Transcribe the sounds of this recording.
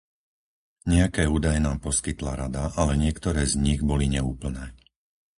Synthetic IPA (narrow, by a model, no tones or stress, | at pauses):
ɲɛakɛːuːd̪ajɛnaːmpɔskit̪laɾad̪aʔalɛɲɪɛkt̪ɔɾɛːzɲiɣbɔliɲɛuːpl̩nɛː